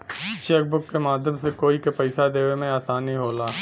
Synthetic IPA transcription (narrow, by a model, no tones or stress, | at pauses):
t͡ʃeːk̚bʊkːemaːd̪ʱjəmsekoːikepɛɪsad̪eːʋemẽaːsaːniɦoːlaː